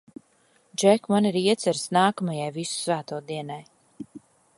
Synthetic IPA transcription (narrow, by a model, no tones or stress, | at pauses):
d͡ʒɛkmaniɾiɛt̪sɛɾsnaːkamajajvisu̥svæːt̪uːd̪iɛnaj